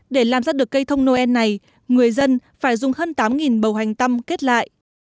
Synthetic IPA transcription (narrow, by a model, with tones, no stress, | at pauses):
ɗe˧˩laː˨˩mzaː˧ɗɨ˨˩əkːə˧jt̪ʰə˧wŋ͡mno˧ʔɛ˧nːa˨˩j | ŋɨ˨˩əjzə˧nfaː˧˩jzʊ˨˩ŋ͡mhəː˧nt̪aː˨˦mŋi˨˩nɓə˨˩wɦa˨˩jŋ̟t̪ə˧mke˦˥t̚la̰ː˧˨jʔ